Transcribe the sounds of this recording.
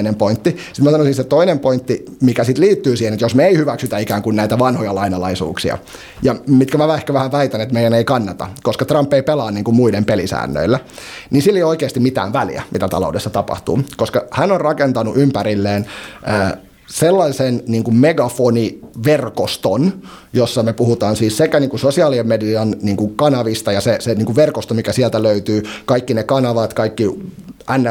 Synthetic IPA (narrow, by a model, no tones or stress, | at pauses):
nempoint̪ːi | sit̪mæsɑnosinset̪oinempoint̪ːi | mikæsit̪liːt̪ːyːsiːhenet̪josmeeihyʋæksyt̪æikæːŋkunnæit̪æʋɑnhojɑlɑinɑlɑisṵːksiɑ̰ | jɑmit̪kæmæʋæehkæʋæhæʋæit̪ænet̪meijæneikɑnːɑt̪ɑ̰koskɑt̪rɑmpːeipelɑːnniːŋkummuidempelisæ̰ːnːø̰ilːæniːnsilːejoikeːst̪imit̪æ̰ːʋʋælḭæ̰mʔḭt̪æt̪ɑ̰lo̰udesːɑt̪ɑpɑ̰ht̪ṵːkoskɑhænorrɑkent̪ɑnṵʔympæɾilːeːnʔəː | selːɑisenniːŋkummeɡɑfoniʋerkost̪on | josːɑmepuhut̪ɑːnsiːssekæniːŋkusosiɑːliemmediɑnniːŋkuŋkɑnɑʋist̪ɑjɑseseniːŋkuʋʋerkost̪omikæsiælt̪æløyt̪yːkɑikːinekɑnɑʋɑt̪kɑikːiænːæ